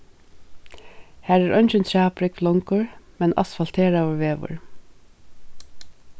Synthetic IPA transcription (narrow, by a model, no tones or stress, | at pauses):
hæːɹæːɹʔœnt͡ʃɪnt̪ʰɹæːpɾɪktlɔŋkʊɹmɛnʔa̰sfal̥t̪ʰeːɹaʋʊɹʋeːʋʊ̰ɹ